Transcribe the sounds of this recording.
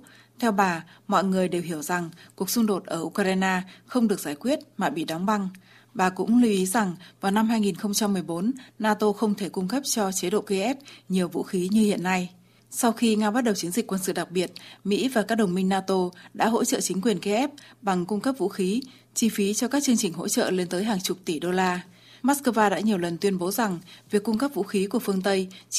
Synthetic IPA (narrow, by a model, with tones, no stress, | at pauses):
t̪ʰɛ˧wɓaː˨˩mɔ̰˧˨jŋɨ˨˩əjɗe˨˩wɦi˧˩əwza˨˩ŋku˨˩ək̚sʊ˧ŋ͡mɗo˨˩t̚ʔəː˧˩ʔu˧kːaː˧jnaː˧xə˧wŋ͡mɗɨ˨˩ək̚zaː˧˩jkwi˦˥ət̚maː˨˩ɓḭ˧˨ɗɔ˨˦wŋ͡mɓa˧ŋ | ɓaː˨˩kʊ̰˧˥ŋ͡mli˧ʔi˨˦za˨˩ŋvaː˨˩wna˧mɦaː˧jŋi˨˩nxə˧wŋ͡mt͡ɕa˧mːɨ˨˩əjɓo˨˦nːaː˧t̪o˧xə˧wŋ͡mt̪ʰe˧˩kʊ˧ŋ͡mkə˦˥p̚t͡ɕɔ˧t͡ɕe˨˦ɗo̰˧˨ki˧ʔɛ˦˥p̚ɲi˨˩əwvṵ˧˥xi˨˦ɲɨ˧hḭ˧˨ənːa˧j | sa˧wxi˧ŋaː˧ɓa˦˥t̚ɗə˨˩wt͡ɕi˨˦ənzï˨˩k̟kwə˧nsɨ̰˧˨ɗa˨˩k̚ɓi˨˩ət̚mḭ˧˥vaː˨˩kaː˦˥k̚ɗə˨˩wŋ͡mmï˧ŋnaː˧t̪o˧ɗa̰ː˧˥ɦo̰˧˥t͡ɕə̰ː˧˨t͡ɕï˨˦ŋ̟kwi˨˩ənki˧ʔɛ˦˥p̚ɓa˨˩ŋkʊ˧ŋ͡mkə˦˥p̚vṵ˧˥xi˨˦ | t͡ɕi˧fi˨˦t͡ɕɔ˧kaː˦˥k̚t͡ɕɨ˧əŋt͡ɕï˨˩ŋ̟ɦo̰˧˥t͡ɕə̰ː˧˨le˧nt̪əː˨˦jɦaː˨˩ŋt͡ɕʊ˨˩p̚t̪i˧˩ɗo˧laː˧ | maː˦˥t̚kəː˧vaː˧ɗa̰ː˧˥ɲi˨˩əwlə˨˩nt̪wi˧ənɓo˨˦za˨˩ŋvi˨˩əkːʊ˧ŋ͡mkə˦˥p̚vṵ˧˥xi˨˦ku˧˩əfɨ˧əŋt̪ə˧j